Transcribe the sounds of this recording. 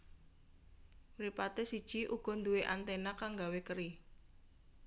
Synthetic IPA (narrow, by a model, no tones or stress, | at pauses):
mɾipat̪esid̥ʒ̥i̤ʔuɡ̥ɔ̤nd̪ueʔant̪enakaŋɡawekəɾi